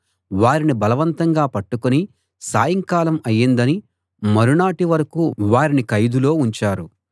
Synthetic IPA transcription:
ʋaːɾinibɐlɐʋɐnt̪ɐŋɡaːpɐʈːukoni | saːjɐŋkaːlɐmɐjːind̪ɐni | mɐɾuɳaːʈiʋɐɾɐkuʋaːɾinikɐjd̪ulo̞ːuɲt͡ʃaːɾu

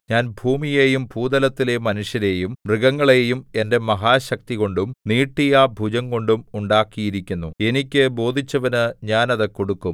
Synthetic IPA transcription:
ɲaːnbʱuːmijeːjumbʱuːd̪ɐlɐt̪ːilemɐnuʂjɐne̞ːjumriɡɐŋːɐɭe̞ːjume̞nde̞mɐɦaːɕɐk̚t̪iɣo̞ɳɖumniːʈːijɐbʱud͡ʑɐŋko̞ɳɖumuɳɖaːkːijiɾikʲːunːue̞nikʲːɨbo̞ːd̪ʱit͡ɕːɐʋɐnɨɲaːnɐðɨko̞ɽukːum

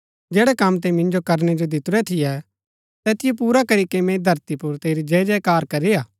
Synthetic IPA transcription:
d͡ʒɛːɽɛkɐmt̪̬ɛmɪ̃nd͡ʒokɐɾñɛd͡ʒod̪ɪt̪ʊɾɛt̪ʰɪjɛ | t̪ɛːt̪ɪjop̬uːɾakɐɾikemɛ̃id̪ʱɐɾt̪ipʊɾt̪eːɾid͡ʒɛːd͡ʒɛkaːɾkɐɾiaː

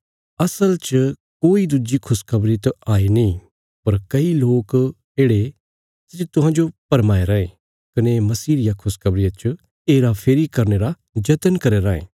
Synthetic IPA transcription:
ɐsəlt͡ʃ | koːid̪ud͡ʒikʰʊskʰɐbɾit̪oaːinĩ | pɐɾkɐiloːk | eːɽe | sɪd͡ʒet̪ʊɦãːd͡ʒopɐɾmaːeɾɐẽ | kɐnemɐsiːɾɪjakʰʊskʰɐbɾɪjat͡ʃ | eːɾapʰeːɾikɐɾneɾa | d͡ʒɐt̪ənkɐɾeɾɐːḛː

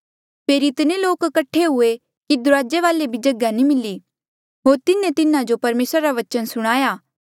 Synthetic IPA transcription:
peːɾiɪt̪neloːkkɐʈʰːeɦʊe | kid̪ʊɾaːd͡ʒeʋaːlebʱid͡ʒɐɡjanĩmɪlːi | ɦoːɾt̪ɪnẽt̪ɪnãd͡ʒopɐɾmeːsɾaɾaʋɐt͡ʃənsʊɽ̃aːjaː

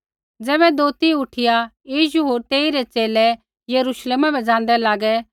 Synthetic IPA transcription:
d͡zɛːβɛd̪oːt̪iʊʈʰɪjajiːʃ̬uɦoːɾt̪eːiɾɛt͡ʃeːlɛ | jɐɾuʃleːmabɛd͡zãːn̆d̪ɛlaːɡɛ

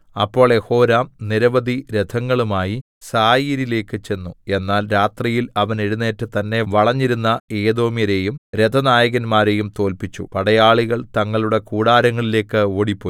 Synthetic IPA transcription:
ɐ̰pːo̞ːɭje̞ho̞ːɾaːmniɾɐʋɐd̪ʱiɾe̞d̪ʱʰɐŋːɐɭumaːji | saːjiːɾile̞ːkːɨt͡ɕe̞nːue̞nːaːlɾaːt̪rijilɐʋɐneɽunːe̞ːtːɨt̪ɐnːe̞ʋɐɭɐɲːiɾunːɐe̞ːd̪o̞ːmijɐɾe̞ːjumɾe̞d̪ʱɐnaːjɐɣɐnmaːɾe̞jumt̪o̞ːlpit͡ɕːṵpɐɽɐjaːɭiɣɐɭt̪ɐŋːɐɭuɽe̞kuːɽaːɾɐŋːɐɭile̞ːkːɨoːɽipːoː

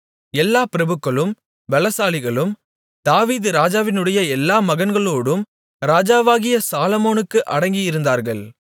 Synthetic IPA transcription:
ɛlːaːpɪɾɐbɯkːɐɭɯm | ʋɛɭɐsaːlɪɣɐɭɯm | d̪̥aːʋiːðɯɾaːd͡ʒaːʋɪnɯɽɐjɐɛlːaːmɐɣɐnɡɐɭoːɽɯm | ɾaːd͡ʒaːʋaːɣɪjɐsaːlɐmoːnɯkːɯʔɐ̰ɽɐŋɡɪjɪɾɯnd̪aːɾɣɐɭ

